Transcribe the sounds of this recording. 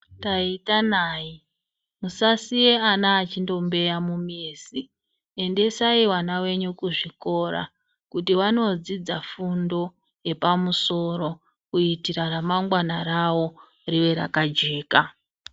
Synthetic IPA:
taitanaːi | musasije̞anaːt͡ʃindo̞mbe̞jamumiːsi | ende̞saiwanawe̞ɲukuʐiko̞ra̰ | kutiwano̞d͡zid͡zafundo̞ | je̞pamuso̞ɾo̞ | kuitiɾaramaŋɡwanaɾawo̞ | riwe̞ɾa̰kad͡ʒe̞ːka

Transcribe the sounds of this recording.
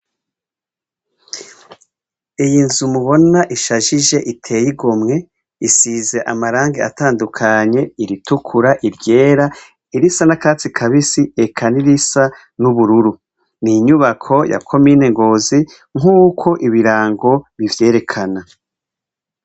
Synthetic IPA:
ijinzumuβo̞naʔiʃaʒiʒe̞ʔitʰe̞ːjiɡomŋe̞ | isize̞ʔa̰maɾaːŋɡea̰taːndukʰaɲe̞iɾitukʰuɾaʔiɾɟe̞ːɾa | iɾisanakaːt͡sikʰaβisie̞kʰaniɾisa | nuβuɾuɾu | niɲuβakʰo̞ja̰kʰo̞mine̞ŋɡo̞ːzi | ŋ̥uːkʰo̞ʔiβiɾaːŋɡo̞βivje̞ːɾe̞kʰana

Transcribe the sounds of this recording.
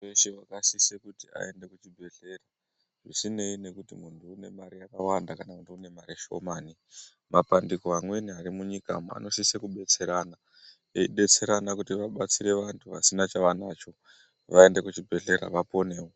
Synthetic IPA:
eʃewakasisekutia̰e̞nde̞kut͡ʃibʱe̞ɬe̞ra | ʐisine̞ine̞kutimuntuːne̞maɾijakawandakanakutiune̞maɾiʃo̞̰maːni | mapandikoamwe̞niaɾimuɲika̰ma̰no̞sisekuɓe̞t͡se̞ɾana | eiɗe̞t͡se̞ɾanakutiʋaɓat͡siɾe̞ʋantʰuʋasinat͡ʃaʋanat͡ʃo̞ | ʋae̞nde̞kut͡ʃibʱe̞ɮe̞ɾa̰ʋapo̞ne̞ːwo

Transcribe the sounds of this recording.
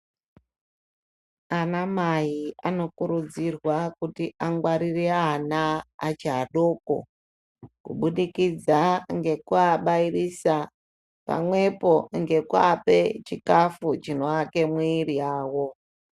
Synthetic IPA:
anamajiano̞kuɾud͡zirwakutiʔaŋɡwaɾireanaːt͡ʃiɦaɗo̞ko̰ | kṵɓuɗikid͡zaŋɡe̞kuaɓairisa | pa̰mwe̞po̞ŋɡe̞kuapet͡ʃikafut͡ʃino̞ake̞mwiːriaːwo̞

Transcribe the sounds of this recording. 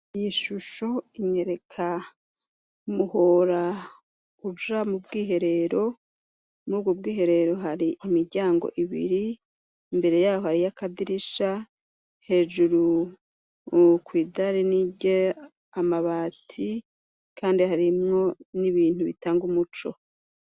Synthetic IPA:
ijiʃuʃo̞iɲe̞ɾe̞kʰa | umuhoɾa | ud͡ʒamubɡiːɦe̞ɾe̞ɾo̞ | muuːbɡob̚ɡiːɦe̞ɾe̞ɾo̞ɦaɾiimiɾɟaːŋɡo̞̰ʔiβḭɾi | mbe̞ɾe̞jaːho̞haɾijakadiɾiʃa | he̞ːd͡ʒuɾu | kwiːdaɾiniɟe | amaβaːtʰi | kʰaːndihaɾimŋo̞niβiːnhuβḭtaːŋɡumut͡ʃo̞̰

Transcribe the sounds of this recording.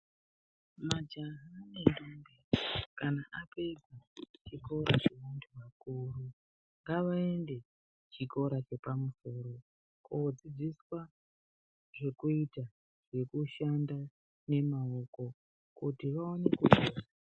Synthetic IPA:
mad͡ʒaɦanendombekanaʔapeɡat͡ʃiko̞ɾa̰t͡ʃe̞ʋantʰuʋakuru | ŋɡaʋae̞nde̞ | t͡ʃiko̞ɾat͡ʃe̞pamuso̞ːɾo̞ | kod͡zid͡ziswa | ʐe̞kuita | ʐ̥e̞kuʃanda | ne̞mao̞ko̞ | kutiʋaone̞kuɡʱoːra

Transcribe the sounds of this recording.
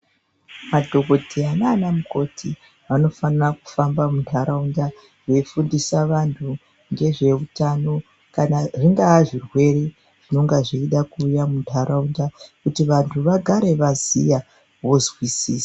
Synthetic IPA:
madʱo̞ko̞tʰiananamuko̞tʰi | ʋano̞faniraku̥fambamuntʰaɾaunda | ʐe̞fundisaʋantʰu | ŋɡe̞ʐe̞ʋutano̞ | kanaʐiŋɡaːʐirwe̞ɾe | ʐ̥ino̞ŋɡaʐiiɗakuːjamuntʰaɾaundakutiʋantʰuʋaɡʱaɾe̞ʋazḭja | ʋo̞zwisiːsḁ

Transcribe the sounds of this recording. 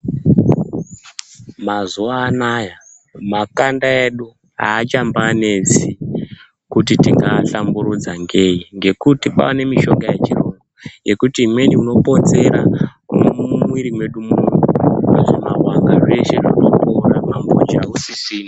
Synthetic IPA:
mazuʋaːnaːja | makandaeɗu | ɦa̰ːt͡ʃambaːne̞t͡si | kutitiŋɡaɬambuɾud͡zaŋɡe̞iŋɡe̞kutipa̰ane̞miʃo̞ɡajet͡ʃiroŋɡoje̞kutimwe̞niuno̞po̞t͡se̞ɾakuummwiɾimwe̞ɗumunoeʐimarwaŋɡaʐe̞ʃe̞rinokoɾamambo̰d͡ʒausisiːna

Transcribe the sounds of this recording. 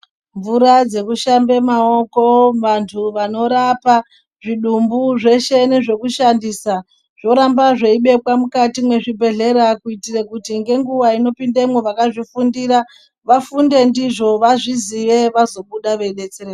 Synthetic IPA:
ɱvuɾad͡ze̞kuʃambe̞mao̞ko̞ʋantʰuʋano̞ɾapa | ʐiɗumbuʐe̞ʃe̞neʐe̞kuʃandisa | ʐ̥o̞ɾambaʐeiɓe̞kwamukatimwe̞ʐibʱe̞ɮe̞ɾakuitirekutiŋɡe̞ŋɡuʋaino̞pindemwoʋakaʐifundiɾa | ʋafunde̞ndiʐo̞ʋaʐiziʋe̞ʋazo̞ɓuɗaʋe̞ɗe̞t͡sereːr

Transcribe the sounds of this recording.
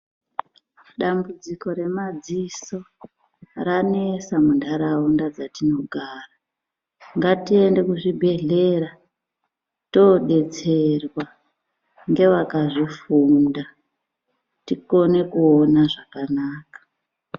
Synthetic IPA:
ɗambud͡ziko̞ɾe̞mad͡ziso̞ | ranesamundaɾaundad͡zatino̞ɡʱaːra | ŋɡatie̞nde̞kuʐibʱe̞ɮe̞ra | to̞ɗe̞t͡se̞rwa | ŋɡe̞ʋakaʐifunda | tiko̞ne̞kuonaʐakanaːkḁ

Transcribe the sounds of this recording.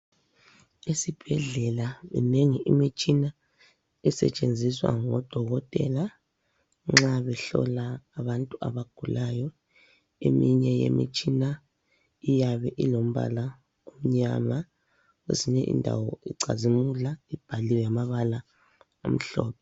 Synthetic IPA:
isib̥ʱɛɮɛlaβɛ̰neŋiʔimit͡ʃʼina | ɛsɛ̰t͡ʃʼend͡zʱiswa̰ŋɔd̥ʱɔɣɔtʼɛ̰la | ŋ͡ǁaβɛɬɔ̰laːβantʼuaβaɡ̥ʱulʔajɔ | ḛmiɲɛjḛmḭt͡ʃʼina | ijaβɛʔilom̩βa̰la | om̩ɲama | ḛziɲɛʔḭndʱa̰wɔʔiǀa̰zimulaib̥ʱaliwjamaβala | om̩ɬɔ̰ːpʰɛ

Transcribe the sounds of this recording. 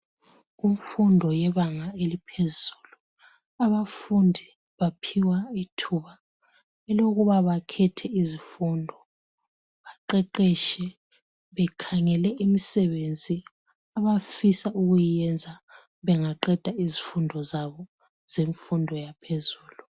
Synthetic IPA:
uɱfundʱɔjɛβaŋaelipʰezuːlu | aβafundʱi | βapʰiwaitʰuːβa | ɛloɣuβaβakʰɛtʰɛizifundʱɔ | βaǃɛǃɛʃɛ | βɛkʰaŋɛlɛʔimisɛβend͡zʱi | aβafisauɣujiɛnd͡zʱa | βɛŋaǃɛd̥ʱaizifundʱɔzaβɔ | z̥eɱfundʱɔjapʰezuːlu

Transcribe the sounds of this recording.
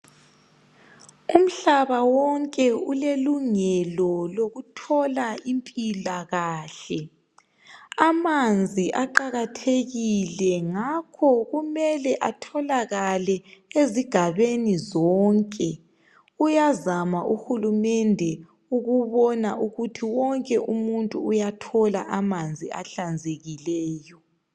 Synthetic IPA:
um̩ɬaβawɔŋkʼɛuleluŋɛlɔloɣutʰɔlaimpʼilaɣaːɬɛ | amand͡zʱiʔaǃaɣatʰeɣilɛŋakʰɔɣumɛlɛʔatʰɔlaɣalɛeziɡ̥ʱaβenizɔːŋkʼɛ | ujazamaʔuxulumɛndʱɛ | uɣuβɔnaʔuɣutʰiwɔŋkʼɛʔumuntʼuːjatʰɔla̰ʔamand͡zʱiaɬand͡zʱeɣilɛːjɔ

